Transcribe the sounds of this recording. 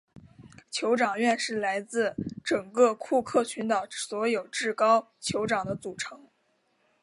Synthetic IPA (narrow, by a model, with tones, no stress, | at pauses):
t͡ɕʰjo˧˥ʊʈ͡ʂɑ˨˩ŋɥɛ˥˧nʂɻ̩˥˩la˧˥ɪt͡sɹ̩˥˩ʈ͡ʂɤ˨˩ŋkɤ˥˧kʰu˥˧kʰɤ˥˩t͡ɕʰy˧˥nt̪ɑ˨˩ʊswɔ˧˥jo˨˩ʊʈ͡ʂɻ̩˥˩kɑ˥ʊ | t͡ɕʰjo˧˥ʊʈ͡ʂɑ˨˩ŋd̪ə˦t͡su˨˩ʈ͡ʂʰɤ˧˥ŋ